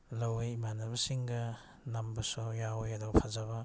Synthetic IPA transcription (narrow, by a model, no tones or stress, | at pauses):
lɐwejmanɐbɐsiŋɡɐ | nɐmbɐsɔjawjɐdɔpʰazaβɐ